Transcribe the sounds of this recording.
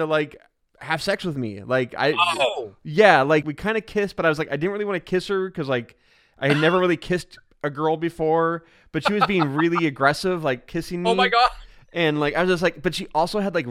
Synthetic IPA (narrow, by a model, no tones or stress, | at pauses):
ɨlaɪk | hæv̥sɛkswɨðmḭlaɪka̰ɪojælaɪkwikʰãɪ̃ndɨkʰɪsb̥ʌɾaɪwʌzlaɪkaɪdɪdⁿn̩ʔɹɪlˠiwɑ̃nɨkʰɪshə˞kʰʌzlaɪk | ʔaɪɨdⁿnɛvə˞ɹɪlˠikʰɪst | ʔɨɡɜ˞lˠbɨfɔɹ | b̥ʌtʃiwʌzbiɪ̃ŋɹɪlˠiɨɡɹɛsɪvlaɪkʰɪsɪ̃ŋmoʊimaɡɑʃʔɨ̃nlaɪkaɪwʌzd͡ʒʌs̬tlaɪk̚b̥ʌtʃiʔɔlˠsoʊədˡlaɪk